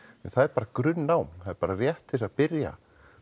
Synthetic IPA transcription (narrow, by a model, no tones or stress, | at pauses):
ɛnθaðɛɾpaːɾakɾʏnːaːwmθaðɛɾpaːɾarjɛht̪ɪsaðpɪɾja̰